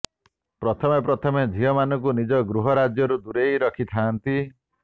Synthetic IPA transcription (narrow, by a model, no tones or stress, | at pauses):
pɾɔt̪ʰɔmepɾɔt̪ʰɔmed͡ʒʱiɔmanɔŋkunid͡ʒɔɡɾuɦɔɾad͡ʒjɔɾud̪uɾejɾɔkʰit̪ʰaːnt̪i